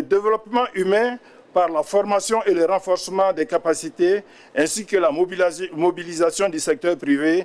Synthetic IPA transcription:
ləd̪evelɔpmɑ̃ʔymɛ̃ | paʁlafɔʁmasjɔ̃ʔeləɾãfɔɾsəmɑ̃d̪ɛkapasit̪e | ɛ̃sikəlamobilizasjɔ̃d̪ysɛk̚t̪œʁpɾive

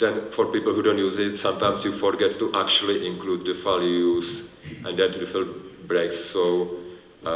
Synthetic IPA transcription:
dɛ̃nfɔɾpiːpəlhudõːntjuːzɪtsãmtãɪ̃msjufɔɾɡɛtːuʔæk̚t͡ʃuəliʔɪ̃ŋkluːd̚dəfaljuz | ʔɛ̃ndɛ̃ntudɪfə̃lbɾeksːo

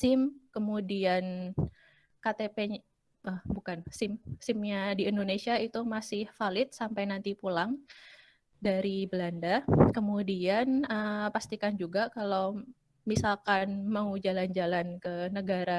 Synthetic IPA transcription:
sɪmkəmudian | kat̪epe | əhbukansɪmsɪmɲadiindonesiait̪umasɪhfalɪt̪̚sampajnant̪ipulaŋ | daɾibəlandakəmudianəpast̪ikand͡ʒuɡakalaw | misalkanməŋud͡ʒaland͡ʒalankənəɡaɾa

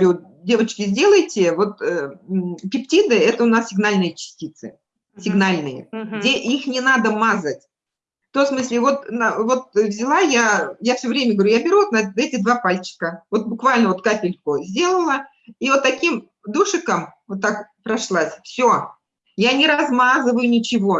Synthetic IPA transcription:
u | dʲe̞vət͡ɕkʲɪzʲdʲe̞lˠəjtʲɪvo̞t̪əpʲɪptʲid̪ɨɛt̪əʊnassʲɪɡnalʲnɨjət͡ɕɪ̥sʲtʲit̪sɨ | sʲɪɡnalʲnɨjə̰ɡdʲeʔixnʲɪnad̪əmazətʲ | ft̪omsmɨsʲlʲɪvo̞t̪nvo̞t̪vzʲɪlˠajajafsʲɵvɾʲemʲəɡəvɐɾʲujabʲɪɾʲuot̪nɐɛtʲɪd̪vapalʲt͡ɕɪ̥kəvo̞t̪̚bʊkvalʲnəvo̞t̪̚kapʲɪlʲkʊzʲdʲe̞lˠəlˠə | ivot̪ːɐkʲim | d̪uʂɨkəmvot̪ːakpɾɐʂlˠasʲfsʲo | janʲɪɾɐzmazɨvəjʊnʲɪt͡ɕɪvo̞

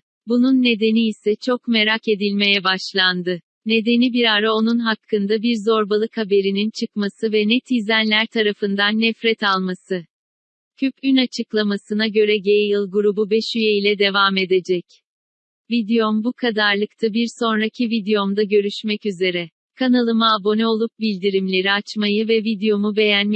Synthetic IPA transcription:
bununːe̞d̪e̞niːsɛt͡ʃʰo̞kme̞ɾake̞d̪ilʲme̞jɛbaʃlˠand̪ɯ | ne̞d̪e̞nibiɾaɾao̞nunɦakʰːɯnd̪abiɾzo̞ɾbalˠɯkhabe̞ɾinint͡ʃʰɯkmasɯvɛnɛt̪ʰizænlʲæɾt̪ʰaɾafɯnd̪anːɛfɾɛt̪ʰalˠmasɯ | cʰypynat͡ʃʰɯklˠamasɯnaɟø̞ɾɛɟejjɯlˠɡuɾububɛʃyjeilʲɛd̪e̞vaːme̞d̪e̞d͡ʒɛc | vid̪ejombukʰad̪aɾlˠɯkt̪ʰabiɾso̞nɾacʰivid̪ejo̞md̪aɟø̞ɾyʃmɛcyze̞ɾɛ | kʰanalˠɯmaːbo̞nɛo̞lˠup̚bilʲd̪iɾimlʲe̞ɾiat͡ʃmajɯvɛvid̪ejo̞mube̞jænm

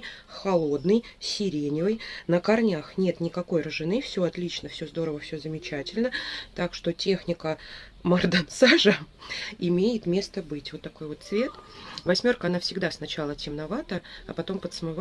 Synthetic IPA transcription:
xɐlˠo̞d̪nɨjsʲɪɾʲenʲəjnəkɐrnʲaxnʲe̞t̪nʲɪkɐko̞jrəʐɨnɨfsʲo̞ɐt̪lʲit͡ɕnəfsʲozd̪o̞ɾəvəfsʲozəmʲɪt͡ɕætʲɪlʲnət̪akʂt̪o̞tʲe̞xnʲɪkə | mɐrd̪amsaʐəɪmʲejɪt̪mʲe̞st̪əbɨtʲvo̞t̪ːɐko̞jvo̞t̪svʲe̞t̪vɐsʲmʲo̞rkəɐnafsʲɪɡd̪asnɐt͡ɕalˠətʲɪmnɐvat̪əɐ̰pɐt̪o̞mpət̪smɨv

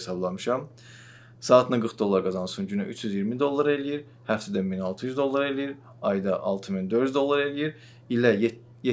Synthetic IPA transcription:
esɑblˠɑmɯʃɑm | sɑːt̪ʰɯnaɡɯɾχd̪o̞lˠːɑɾɡɑzɑnsunɟynyʔyt͡ʃʰjyzjiɾmid̪o̞lˠːaɾelijiɾ | hæft̪æd̪æminɑlˠt̪ʰɯjyzd̪o̞lˠːaɾe̞lijiɾ | ɑjd̪ɑʔɑlˠt̪ʰɯmind̪øɾyzd̪o̞lˠːaɾe̞lijiɾ | ilæ | je

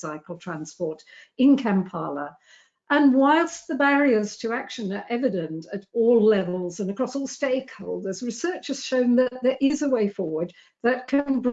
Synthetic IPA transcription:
aɪkl̩ˠtʰɹ̥æ̃nspɔɹɾ | ɪ̃nkʰæ̃mpʰɑ̰ːlə̰ | ʔə̃nwaɪlˠsðəbæɹiə˞z̥tʰəækʃɨ̃nə˞ʔɛvɨɾɨ̃ntɨɾɔlˠɛvəlˠzə̃nəkʰɹ̥ɔsɔlˠsteɪkhoʊlˠdə˞zɹɨsɜ˞t͡ʃɨz̥ʃõʊ̃nðɨʔt̪̚ðə˞ʔɪzəweɪfɔɹwə˞d̪̚ | ðɨt̚kʰʌ̃ŋb

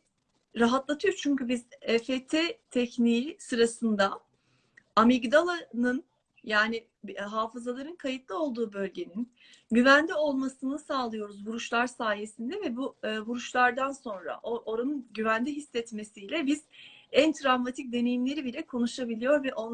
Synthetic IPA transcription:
ɾaɦat̪lˠat̪ʰɯjoɾt͡ʃʰyɲcybizɛfet̪ʰet̪ʰɛcnisɯɾasɯnd̪a | amiɡd̪alˠanɯn | jaːnɪ | ɦaːfɯzalˠaɾɯnkʰajɯt̪lˠɯo̞lˠd̪uːbø̞lʲɟe̞nin | ɟyvænd̪ʲio̞lˠmasɯnɯsaːlˠɯjo̞ɾuzvuɾuʃlˠaɾsaːje̞sind̪ɛvɛbuːvuɾuʃlˠaɾd̪anso̞nɾa̰ʔoʔoɾanɯnɟyvænd̪iɦisːɛt̪me̞sijlʲɛbiz̥ænt̪ʰɾavmat̪ʰic̚d̪e̞ne̞jimlʲe̞ɾibilʲɛkʰo̞nuʃabilʲijo̞ɾvɛʔo̞n

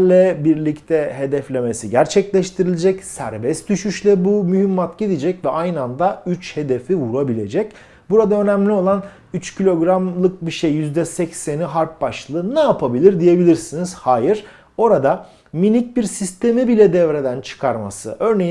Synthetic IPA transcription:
lʲɛbiɾlʲict̪ʰɛɦe̞d̪ɛflʲe̞mesiɟæɾt͡ʃʰɛclʲɛʃt̪ʰiɾilʲed͡ʒɛcsæ̰ɾbɛst̪̚d̪̥yʃyʃlʲɛbumyhimːat̪ɟid̪id͡ʒɛcvɛajnɯand̪ayt͡ʃhe̞d̪e̞fivuɾabilʲe̞̰d͡ʒɛc | buɾad̪aø̞næmlʲio̞lˠan | yt͡ʃcʰilʲo̞ɡɾamlˠɯk̚biʃejːyzd̪ɛsɛcseniɦaɾp̚baʃlˠɯːnaapʰabilʲiɾd̪ije̞bilʲiɾsiniz̥haːjiɾ̥ | o̞ɾad̪a | minic̚biɾsist̪ʰe̞mibilʲɛd̪ɛvɾe̞d̪ænt͡ʃʰɯ̥kʰaɾma̰sɯ̰ʔø̞ɾnej

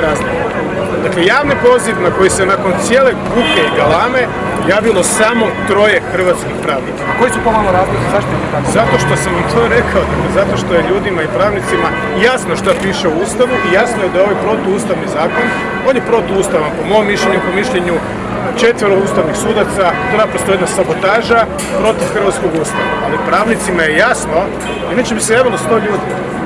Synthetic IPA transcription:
ɾazɡo | d̪akle̞jaːʋnipo̞ziʋnako̞jisenako̞nt̪sijeːle̞ɡuke̞iɡalˠaːme | jaːʋilˠo̞saːmo̞t̪ɾo̞je̞xr̩ʋat̪skixpɾaːʋnikaako̞jisuponaloɾazozizaʃt̪it̪it̪akzat̪o̞ʃt̪o̞samʋamt̪ʰo̞ːɾe̞kʰao̞d̪aklezat̪o̞ʃt̪o̞jeʎuːd̪imaipɾaːʋnit̪sima | jasnoʃt̪apiːʃeuuːst̪aʋuʔijasnojed̪ajeo̞ʋajpɾo̞t̪ouːst̪aʋnizaːko̞n | o̞ːnjepɾo̞t̪ouːst̪aʋampo̞momːiʃʎʲeɲupo̞miʃʎeɲu | t͡ʃe̞t̪ʋiɾouːst̪aʋnixsuːd̪at̪sak̪ɾapɾost̪ojed̪nasabo̞t̪aːʒa | pɾo̞t̪ifxɾr̩ʋat̪skoɡuːst̪aʋaʔalipɾaːʋnit̪simajejasno̞ | inat͡ʃebisejaːʋilˠost̪o̞ʎuːd̪i

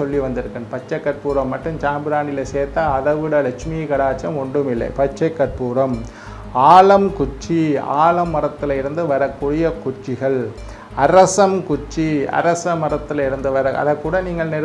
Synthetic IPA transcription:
ɔlːiʋɐnd̪ɪɾɯkːɐɳpɐt͡ʃːɐkːɐɾpuːɾɐmːɐʈːɯmt͡ʃaːmbɯɾaːnɪlɐseːɾt̪aːɐðɐʋɪɽɐlɛt͡ʃmikɐɽaːt͡ʃːɐmɔɳɖɯmɪlːɐ̰ɪpɐt͡ʃːɐkːɐrpuːɾɐm | aːlɐmkʊt͡ʃːia̰ːlɐmːɐɾɐt̪ːɪlɐɪɾɯnd̪ɯʋɐɾɐkːuːɽɪjɐkʊt͡ʃːɪɣɐɭ | ɐɾɐsɐmkʊt͡ʃːiɐ̰ɾɐsɐmɐɾɐt̪ːɪlɐɪɾɯnd̪ɯʋɐɾɐʔɐ̰ðɐkːuːɽɐniːŋɡɐɭnɛɾ

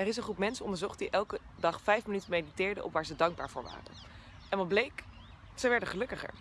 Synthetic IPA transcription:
ɛrɪsənχrup̚mɛnsəɔndəɹzɔχt̚diʔɛlˠkədɑχfɛjfmənytənmejditɪːɹdə̰ʔɔ̰pʋaːɹzədɑŋɡ̚ba̰ːɹvʊːɹʋa̰ːrə̰n | ɛnʋɑt̚blejk | səʋɛɹdəχəlɵkəχə̰ɹ

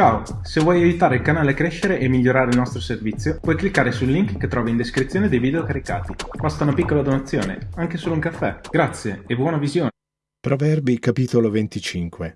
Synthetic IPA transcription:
t͡ʃaːo | sevwɔjajut̪aːɾeilkanaːleakːɾeʃːeɾeʔemːiʎːoɾaːɾeilnɔst̪ɾoservit̪sːjopwɔjklikːaːɾesulːiŋkːet̪ːɾɔːvaind̪eskɾit̪sːjoːned̪ejvid̪eokaɾika̰ːt̪ibast̪aunapikːolad̪onat̪sːjoːnḛaŋkesuluŋkafːɛɡ̥ɾat̪sːjeːbwɔːnavizjoːn | pɾovɛrbikapiːt̪olovent̪it͡ʃiŋkwe

